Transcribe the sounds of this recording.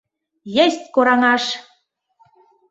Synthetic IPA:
jɘ̆st̪̚ʲkoɾɑŋɑʃ

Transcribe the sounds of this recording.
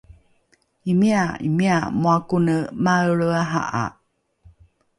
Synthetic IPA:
imiaḭmiamoakunəmaəɭəaɦa̰ʔa̰

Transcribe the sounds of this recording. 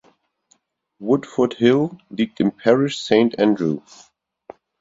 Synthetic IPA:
wʊdfə˞thɪlˠliːk̚tɨ̃npʰɛɹɪʃsẽɪ̃ntæ̃ndɹu

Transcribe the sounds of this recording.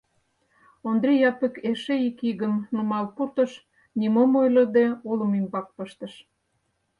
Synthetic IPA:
ond̪ɾʲijɑpə̆keʃeikiɣəmnumɑlpurt̪ə̆ʃ | nimomojlə̆d̪eolə̆mimbɑk̚pəʃt̪ə̆ʃ

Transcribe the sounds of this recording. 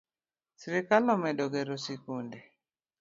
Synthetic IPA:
siɾikalɔmɛdɔɡɛɾɔsikunde

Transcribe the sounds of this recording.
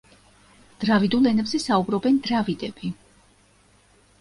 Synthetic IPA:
d̪̥ɾavid̪ulˠɛnɛbzɛsaubɾɔbɛnd̪ɾavid̪ɛb̥i

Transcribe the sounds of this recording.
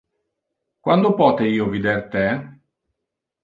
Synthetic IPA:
kwand̪opɔːt̪eiːovid̪ert̪e

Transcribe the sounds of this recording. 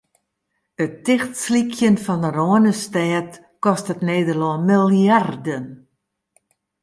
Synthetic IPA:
ətɪxtslikʰjənfɔnəroənəstɛːt | kɔstətneːdərlɔmilˠardən

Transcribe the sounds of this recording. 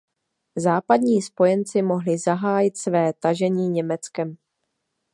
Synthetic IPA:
zaːpad̪ɲiːspo̞jɛnt͡sɪmo̞ɦlɪzaɦaːjɪt̪svɛːt̪aʒɛɲiːɲɛmɛt͡skɛm

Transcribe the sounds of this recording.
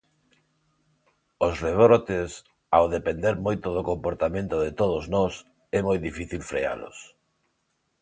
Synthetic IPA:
osreβɾot̪ɪs | awðepend̪eɾmojt̪ʊðokompoɾt̪amẽnt̪ʊðet̪oð̞oznɔs | ɛmojðifiθilfɾḛa̰lʊ̰s

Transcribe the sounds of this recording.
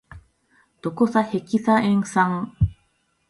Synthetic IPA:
t̪okosahekisaeŋsaŋ

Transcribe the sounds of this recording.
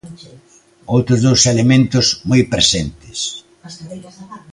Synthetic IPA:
owt̪ɾʊzðowselemẽnt̪ʊsmojpɾesent̪ɪs

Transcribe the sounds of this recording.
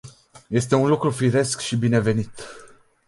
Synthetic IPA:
je̞st̪e̞unlukɾufiɾe̞skʃibine̞ve̞nit̪

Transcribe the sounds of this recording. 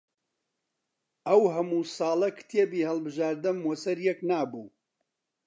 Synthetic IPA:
ʔɐwɦɐmuːsɑːlˠɐkʰt̪ʰeːbihɐlˠbɨʒaːɾd̪ɨnmwɔsɐɾjɛknaːbuː

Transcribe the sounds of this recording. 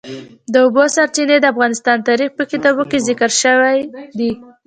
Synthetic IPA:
d̪əʊbosaɾt͡ʃined̪əafɣɑnɪst̪ɑnt̪ɑɾixpəkit̪ɑbokezɪkəɾʃəwajd̪i

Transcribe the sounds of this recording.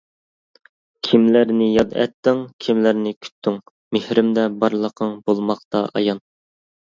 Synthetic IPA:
kʲʰimlæɾnɪjɑd̪ɛ̰t̪ːɪŋkʲʰimlæɾnɪkʲʰy̥t̪ʰːyŋ | mehɾɪmd̪ɛbɑɾlˠəqʰəŋbolˠmɑqt̪ɑʔɑ̰jɑn

